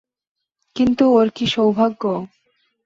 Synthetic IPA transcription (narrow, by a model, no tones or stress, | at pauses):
kint̪uoɾkiʃowbʱaɡːo